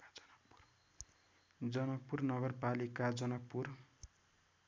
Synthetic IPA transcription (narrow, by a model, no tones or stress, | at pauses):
d͡zʌnʌk̚pːurnʌɡʌrpalikad͡zʌnʌk̚pːur